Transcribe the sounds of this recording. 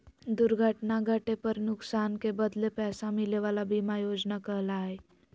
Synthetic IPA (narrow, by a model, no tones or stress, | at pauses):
d̪uɾɡʱəʈnaɡʱəʈepəɾnuksankebəd̪lepɛsãmileʋalabimajod͡znakəɦlaɦe